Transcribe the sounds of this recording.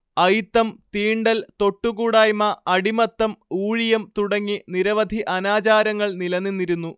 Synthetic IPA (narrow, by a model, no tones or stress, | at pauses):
ɐjt̪ːɐmt̪iːɳɖɐlt̪o̞ʈːuɣuːɽaːjmɐɐɽimɐt̪ːɐmuːɻijɐmt̪uɽɐŋːiniɾɐʋɐd̪ʱiʔɐnaːt͡ɕaːɾɐŋːɐɭnilɐnːinːiɾunːu